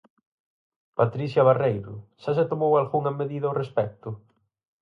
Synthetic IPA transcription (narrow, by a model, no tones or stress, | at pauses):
pat̪ɾiθjɐβarejɾʊʃaset̪omowalɣuŋɐmeðiðɐorespɛk̚t̪ʊ